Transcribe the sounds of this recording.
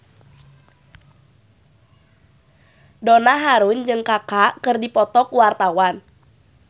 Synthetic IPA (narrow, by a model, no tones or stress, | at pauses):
donaɦaɾund͡ʒɨŋkakakɨrdipɔt̪ɔkuwart̪awan